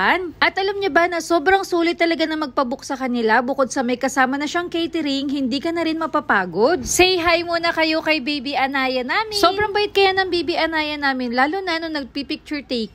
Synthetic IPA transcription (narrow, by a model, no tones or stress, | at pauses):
nʔɐt̪ʔɐlɐmɲobɐnɐso̞ːbɾɐŋsuːlɪt̪ːɐlɐɡanɐmɐɡ̚pɐbʊk̚sɐkɐnɪlabʊko̞d̪̚sɐmɐjkɐsaːmɐnɐʃaŋkɛjt̪ɪɾiŋhɪnd̪iːkɐnɐɾɪnmɐpapaːɡod̪̚sɛjɦɐjmuːnɐkɐjo̞kɐjbijbiʔɐnaːjɐnaːmɪssobɾɐŋbɐlɪt̪̚kɐjanɐŋbiːbiʔɐnaːjɐnaːmɪnlaːlʊnɐnoŋnɐɡ̚pipɪk̚t͡ʃʊɹt̪ejk